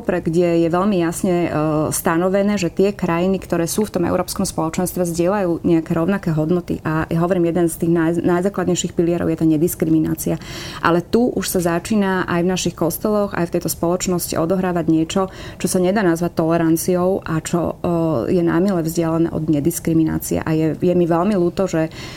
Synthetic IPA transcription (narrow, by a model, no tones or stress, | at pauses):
pɾɛɡɟɛjɛʋɛʎmijasɲɛst̪anɔʋɛnɛːʒɛt̪ɪɛkɾajinikt̪ɔɾɛːsuːft̪ɔmɛ̰ʊɾɔːpskɔmspɔlɔt͡ʃɛnst̪ʋɛzɟɪɛlajuːɲɛakɛɾɔʊnakɛːɦɔd̪nɔt̪ḭʔajaɦɔʋɔɾiːmjɛd̪ɛnst̪iːɣnajnajzaːklad̪ɲɛjʃixpiliɪɛɾɔ̰ʊjɛt̪aːɲɛd̪iskɾimina̰ːt͡siaʔa̰lɛt̪uʔuʃsazat͡ʃiːnaʔa̰jvnaʃixkɔst̪ɛlɔɣa̰jft̪ɛjt̪ɔspɔlɔt͡ʃnɔscḭʔɔd̪ɔɦɾaːʋaɟɲɪɛt͡ʃɔt͡ʃɔsaɲɛd̪aːnazʋac̚t̪ːɔlɛɾant͡siɔʊʔa̰t͡ʃɔ̰jɛna̰milɛvzɟɪalanɛ̰ːʔɔ̰d̪ɲɛd̪iskɾimina̰ːt͡siɛ̰ʔajɛjɛmiʋɛlmiluːt̪ɔʒɛ